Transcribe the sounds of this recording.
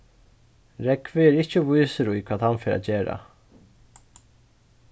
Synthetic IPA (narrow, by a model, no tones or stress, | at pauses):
ɾɛkvɪɛɾɪhcəvujsəɾujkʰv̥aːðhanfeːɾa̰ceːɾa̰